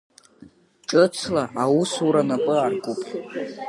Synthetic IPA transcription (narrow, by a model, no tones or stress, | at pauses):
ʈ͡ʂʼɨt͡sʰlaʔawusuɾanapʼɨarɡʷʼupʰʼ